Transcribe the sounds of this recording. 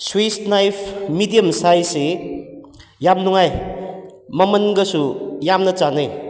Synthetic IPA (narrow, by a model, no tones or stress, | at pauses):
swisnajpʰmidijəmsajse | jamnuŋaj | mɐmɐnɡɐsujamnɐt͡ʃanɯj